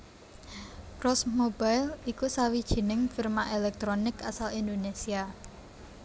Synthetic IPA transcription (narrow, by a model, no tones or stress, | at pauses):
kɾɔsmob̥ajlikusawid̥ʒ̥i̤nɪŋfirmaʔelɛk̚t̪ɾonɪkasalind̪onesia